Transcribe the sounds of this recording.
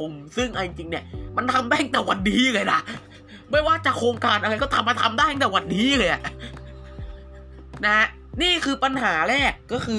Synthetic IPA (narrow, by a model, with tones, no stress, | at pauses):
o˧msɯ˥˩ŋʔa˧t͡ɕi˧ŋt͡ɕi˧ŋni˥˩ɐma˧nt̪ʰa˧md̪aː˥˩jt̪ɛː˨˩wa˧nːiː˦˥˧lɤː˧jna˦˩ | ma˥˩jwaː˥˩t͡ɕa˨˩kʰoː˧ŋkaː˧nʔa˧a˧jkɔ˥˩t̪ʰa˧mːa˧t̪ʰa˧mdaː˥˩jna˥˩t̪ɛː˨˩wa˨˩n̚ːiː˦˥lɤː˧jʔa˨˩ʔ | na˧˦˥ | niː˥˩kʰɯː˧pa˧nɦaː˩˦ɾɛː˥˩kːɔː˥˩kʰɯː˧